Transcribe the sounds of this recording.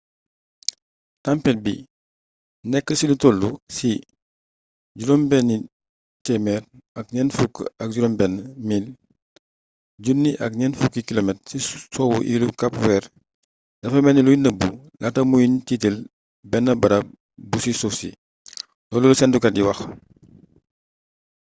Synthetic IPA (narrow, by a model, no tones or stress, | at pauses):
tampɛt̚bi | nɛkːəsilutolːusi | ɟuɾɔmbɛnːi | tɛmɛɾɐk̚ɲɛːnfukːɐk̚ɟuɾɔmbɛnːəmil | ɟunːiʔɐ̰kɲɛnfukːikilomɛtsisɔwṵʔilukɐpwɛːɾ | d̥ɐfɐmɛnilujinəbːu | latɐmujintitil | bɛnːɐbɐɾɐ | busisɔsḭ | dɔːlulusɛndukɐdiwɐx